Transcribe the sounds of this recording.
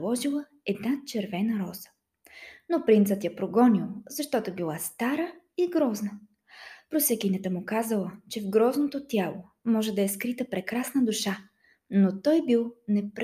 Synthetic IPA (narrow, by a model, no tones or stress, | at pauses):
lˠɔʒilˠə | ɛd̪nat͡ʃɛɾvɛnɐɾɔz̥ə̥ | nopɾint̪sət̪japɾoɡɔnʲilˠzɐʃt̪ɔt̪obilˠast̪aɾə | iɡɾɔznə | pɾosɛkinɛt̪əmʊkazəlˠət͡ʃɛvɡɾɔznot̪ot̪ʲjalˠo | mɔʒɛd̪ɐɛskɾit̪əpɾɛkɾasnəd̪ʊʃa | not̪ɔjbilˠnɛpɾ